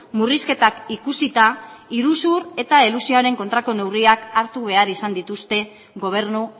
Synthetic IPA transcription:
muriske̞t̪akikusit̪aiɾusuɾe̞t̪aelusioaɾe̞ŋko̞nt̪ɾako̞ne̞wriakaɾt̪uβe̞aɾisand̪it̪ust̪e̞ | ɣo̞β̞e̞ɾnu

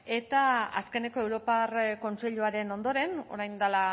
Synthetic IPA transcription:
e̞t̪aa̰ske̞ne̞ko̞ewɾo̞parko̞nt͡se̞ʎuaɾe̞no̞nd̪o̞ɾe̞no̞̰ɾajnd̪ala

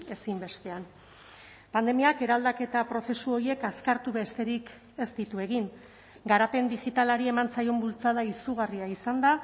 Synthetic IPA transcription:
e̞simbe̞st̪e̞an | pand̪e̞miake̞ɾald̪ake̞t̪apɾo̞se̞suo̞ɾie̞kaskaɾt̪uβe̞st̪e̞ɾik | e̞st̪it̪ue̞ɣiŋ | ɡaɾape̞nd̪iʝit̪alaɾie̞mant͡sajo̞mbult͡saðaisuɣ̞ariaisand̪a

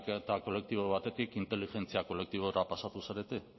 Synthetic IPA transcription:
ket̪ako̞le̞k̚t̪iβoβ̞at̪e̞t̪ikint̪e̞liʝe̞nt͡siako̞le̞k̚t̪iβ̞o̞ɾapasat̪usaɾe̞t̪e

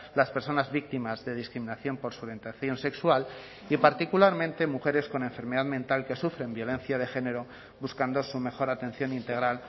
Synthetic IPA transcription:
laspe̞ɾso̞nazβik̚t̪imazðe̞ðiskɾimĩnaθjo̞mpo̞ɾsuɾent̪aθjo̞nse̞kswal | ipaɾt̪ikulaɾmẽnt̪e̞muxe̞ɾe̞sko̞ne̞ɱfe̞ɾme̞ðaðmẽ̞nt̪alke̞sufɾe̞mbjo̞le̞nθjað̞e̞xe̞ne̞ɾo̞ | βuskand̪o̞sume̞xo̞ɾat̪ẽ̞n̟θjo̞nint̪e̞ɣ̞ɾal

